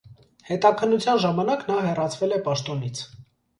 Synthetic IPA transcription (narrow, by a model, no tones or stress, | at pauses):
hɛt̪ɑkʰənːut͡sʰjɑnʒɑmɑnɑknɑɦɛrɑt͡sʰvɛlɛpɑʃt̪ɔnit͡sʰ